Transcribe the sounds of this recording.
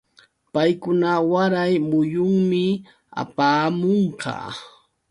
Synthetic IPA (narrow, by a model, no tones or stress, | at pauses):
pajkʊnawaɾajmʊjʊŋmɪ | a̰paːmoɴqɑ̰ː